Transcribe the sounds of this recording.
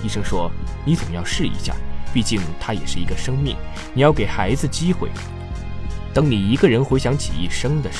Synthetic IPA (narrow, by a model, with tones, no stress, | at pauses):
i˥˧ʂɤ˥ŋʂwɔ˥ni˧˥t͡sʊ˨˩ŋjɑ˥˧ʊʂɻ̩˥˩ḭ˧˥ɕja̰˥˩pi˥˧t͡ɕi˥˩ŋt̪ʰa˥jɛ̰˨˩ʂɻ̩˥˩i˧˥ɡə˧ʂɤ˥ŋmi˥˩ŋ | ni˨˩jɑ˥˩ʊke˨˩ɪxa˧˥ɪd͡zɹ̩˧t͡ɕi˥xwḛ˥˩ɪ | t̪ɤ˧˥ŋni˨˩i˧˥ɡə˧ɻə˧˥nxwɪɕjɑ˧˥ŋt͡ɕʰḭ˨ḭ˥˩ʂɤ˥ŋd̪ə˨